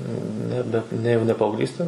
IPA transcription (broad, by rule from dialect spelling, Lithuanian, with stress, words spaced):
ˈnʲæːbʲɛ ˈnʲɛ jɛʊ nʲɛ pɐɐʊɡˈlʲiːsʲtʲeː